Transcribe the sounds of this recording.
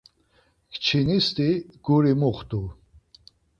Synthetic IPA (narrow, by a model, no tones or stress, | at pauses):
kʰt͡ʃʰinist̪iɡ̥uɾimuχt̪ʼu